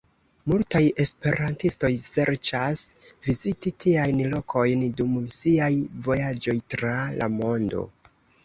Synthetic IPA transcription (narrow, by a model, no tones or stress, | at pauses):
multaje̞spe̞ɾʔantisto̞jse̞ɾt͡ʃasvizititʰiajnlo̞kʰo̞jndumsiajvo̞jad͡ʒo̞jtɾala̰mo̞ndo̞̰